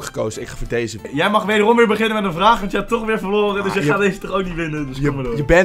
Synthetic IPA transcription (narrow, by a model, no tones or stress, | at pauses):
kχə̥kowzəɪkfoːdejzəjɛjmɑχʋejdərɔmʋɪːɹbəχɪnənmɛtənvraːχʋɑntjəɦatɔχʋɪːɹfəɹloːrədəsjəaːdezətɔχowk̚niʋɪnədəsmədjəbɛ